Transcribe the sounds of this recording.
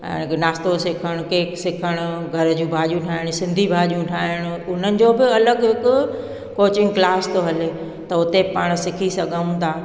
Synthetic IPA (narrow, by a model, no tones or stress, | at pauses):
ɛ̰̃ːɪknaːst̪osɪkʰəɽ̃ʊkeːksɪkʰəɽ̃ʊɡʱɐɾd͡ʑũːbʱaːʄjũʈʰaːɪɽ̃ʊsɪ̃nd̪ʱibʱaːʄjũʈʰaːɦɪɽ̃ʊ̆ʊn̤ənɪ̆d͡ʑoːbɪɐləɡɦɪkʊ | koːt͡ɕɪ̃ŋɡklaːst̪oɦɐlɪ | t̪ɐʊt̪epaːɽ̃sɪkʰisɐɡʱaũt̪ʰaː